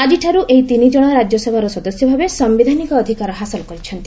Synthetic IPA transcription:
ad͡ʒiʈʰaɾuʔejt̪inid͡ʒɔɽ̃ɔɾad͡ʒɔsebʱaɾɔsɔd̪ɔsjɔbʱabesɔmbid̪ʱanikɔːd̪ʱikaɾɔɦasɔlkɔɾit͡ʃʰɔnt̪i

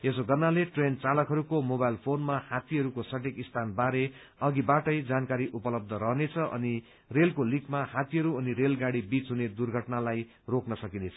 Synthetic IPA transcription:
esoɡʌrnaleʈrent͡salʌkɦʌɾukomobajlpʰonmahat̪iɦʌɾukosʌʈ̬ekist̪ʰanbaɾe | ʌɡibaʈʌjd͡zankaɾiʔupʌlʌb̚d̪ʱʌɾʌɦnet͡sʰʌʔʌ̰ni | relkolikmahat̪iɦʌɾuʌniɾelɡaɽibit͡sɦuned̪urɡʱʌʈnalaj | roknʌsʌkinet͡sʰʌ̥

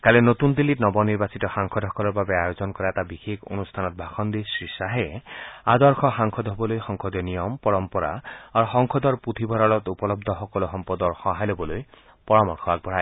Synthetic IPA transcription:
kalenot̪und̪ilːitnɔbɔniɹbasit̪ɔxaŋkʰɔd̪ʱɔkɔɾɔɹbabeajozɔnkɔɾaɛt̪abixʰekʰo̰nust̪ʰanɔt̪̚bʱaxʰɔnd̪isɹisaɦead̪ɔɾxɔxaŋkʰɔd̪ɦɔbɔlojxɔŋkʰɔd̪ɔnijɔmpɔɹɔmpɔɾa̰aɾuxɔŋkʰɔd̪ɔɹput̪ʰibʱɔɾɔlɔt̪upɔlɔb̚d̪ʱɔxɔkɔloɦɔmpɔd̪ɔɹxɔɦajlobɔloj | pɔɹamɔɹkʰɔak̚bʱɔɹa

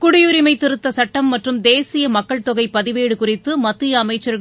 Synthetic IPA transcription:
kʊɽɪjʊɾɪmɐɪt̪ːɪɾɯt̪ːɐsɐʈːɐmːɐʈrɯmd̪eːsɪjɐmɐkːɐɭt̪ɔɣɐɪpːɐðɪʋeːɽɯkʊrɪt̪ːɯmɐt̪ːɯjɐːmɐɪt͡ʃːɐɾ

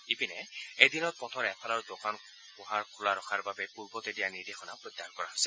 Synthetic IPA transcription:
ipinɛejdinɔt̚pɔtʰɔɹɛpʰɔlaɹudokan | pʊɦaɹkʰulaɹɔxʰaɹbabɛpuɹbɔtedijanidexɔnapɹɔdːaɹkɔɹaɦosɛ

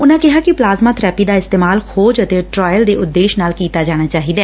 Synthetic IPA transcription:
ʊnãːkɪɦaːkɪplaːzmaːt̪ʰɾɛːpiːd̪aːɪst̪eːmaːlxoːd͡ʒət̪eːʈɾɔːjəld̪eːʊd̪ːeːʃnaːlkiːt̪aːd͡ʒaːɽ̃aːt͡ʃaːɦiːd̪aɛː

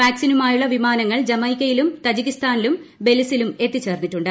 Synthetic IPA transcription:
ʋaːksinumaːjuɭːɐʋimaːnɐŋːɐɭd͡ʑɐmɐjkʲːɐjilumt̪ɐd͡ʑiɣist̪aːnilumbe̞lisilume̞t̪ːit͡ɕːe̞ːrniʈːuɳɖɨ

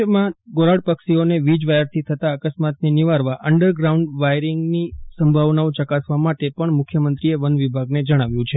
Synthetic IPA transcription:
əmãɡoɾaɽpəksioneʋid͡ʒʋajəɾt̪ʰit̪ʰət̪aəkəsmat̪neniʋaɾʋaʔəɳɖəɾɡɾauɳɖʋajɾiŋɡnisəmbʱaʋnaõt͡ʃəkasʋamaʈepəɳmʊkʰjəmənt̪ɾieʋənʋibʱaɡned͡ʒəɽ̃aʋjũt͡ʃʰe

